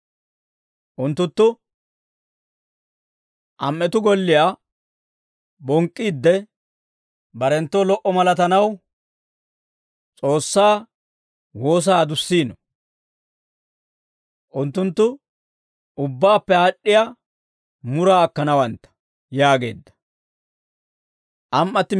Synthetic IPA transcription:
ʔʊnt̪ːʊnt̪ːʊ | ʔɐmːɛt̪ʊɡɔlːɪja | bɔŋkʼːiːd̪ːɛ | bɐɾɛnt̪ːɔlɔʔɔmɐlɐt̪ɐnɐw | t͡sʼo̞ːsːaː | wo̞ːs̬aːd̪ʊsːiːnɔ | ʔʊnt̪ːʊnt̪ːʊ | ʊbːaːpːɛaɗːɪja | mʊɾaːkːɐnɐwɐnt̪ːɐ̥ | jaːɡe̞̰ːd̪ːɐ̥ | ʔɐmʔːɐt̪ːɪ

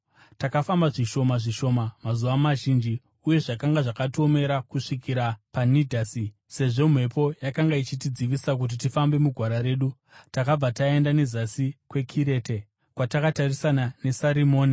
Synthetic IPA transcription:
takafambaʐiʃo̞maʐiʃo̞mamazuʋamaʒind͡ʒi | uje̞ʐakaŋɡaʐakato̞me̞ɾakuʂikiɾapanidʱaːsi | se̞ʐo̞m̤we̞po̞jakaŋɡait͡ʃitid͡ziʋisak̬ut̬itifambe̞muɡʱwaɾaɾe̞ːɗu | takab͡vatae̞ndane̞zasikwe̞kʰiɾe̞ːte | kwatakatarisanane̞saɾimo̞ːni

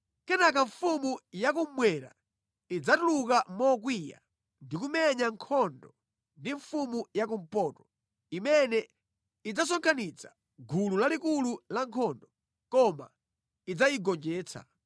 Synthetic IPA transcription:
kɛnak̬aɱfumujak̬ummwɛɾa̰ | id͡zatuluk̬amɔk̬wija̰ | ndik̬umɛɲaŋkʰɔndɔ | ndiɱfumujak̬um̩pɔːtɔ̥ | imɛnɛ | id͡zas̬ɔŋkʰanit͡sʰḁ | ɡʱululalikululaŋkʰɔndɔ | kɔma̰ | id͡zajiɡɔnd͡ʒɛːt͡sʰa̰

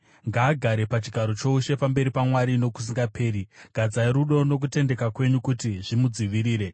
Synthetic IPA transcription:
ŋɡaːɡʱaɾe̞pat͡ʃiɡʱaɾo̞t͡ʃo̞uʃe̞pambe̞ɾipamwaɾino̞ku̥s̬iŋɡapʰe̞ːɾiɡ̥ʱad͡zaiɾuɗo̞no̞k̬ute̞nde̞kakwe̞ɲukutiʐimud͡ziʋiɾiːɾe̞

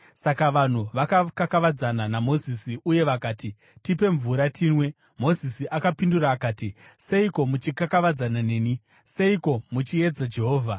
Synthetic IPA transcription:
sakaʋan̤uʋakakakaʋad͡zananamo̞zisiuje̞ʋakaːti | tipe̞ɱvuɾatʰiːnwe̞ | mo̞zisiʔakapinduraːkaːtise̞iko̞mut͡ʃikakaʋad͡zanane̞ːni | se̞iko̞mut͡ʃie̞d͡zad͡ʒe̞ɦo̞ːvʱa

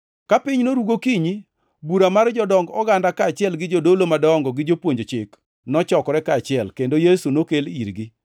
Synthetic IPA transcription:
kapɪɲnoɾuɡokiɲi | buɾamard͡ʒɔdɔŋɡɔɡandakaːt͡ʃɪɛlɡɪd͡ʒodolomadɔŋɡɔɡɪd͡ʒopwoɲd͡ʒot͡ʃɪk | nɔt͡ʃɔkɔɾɛkaːt͡ʃɪɛlkendojesunokeliɾɡɪ

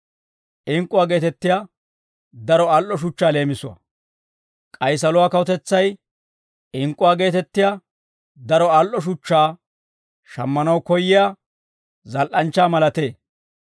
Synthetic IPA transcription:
ʔɪŋkʼːʊwaːɡe̞ːt̪ɛt̪ːɪjaː | d̪ɐɾɔalʔːɔʃ̬ʊt͡ʃːaːle̞ːmɪsʊɐ̰ | kʼɐjs̬ɐlʊwaːkɐwɔt̪ɛt͡sːɐj | ɪŋkʼːʊwaːɡe̞ːt̪ɛt̪ːɪja | d̪ɐɾɔalʔɔʃ̬ʊt͡ʃːaː | ʃɐmːɐnɐwkɔjːɪja | zɐlʔɐnt͡ʃːaːmɐlɐt̪e̞ː

